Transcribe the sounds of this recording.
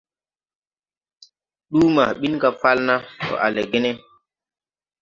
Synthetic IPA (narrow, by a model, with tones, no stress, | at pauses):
ɗu˦ma˨ɓi˦nka˨fa˦lna˦kɔ̰˨ʔa̰˨le˨ɡe˦ne˦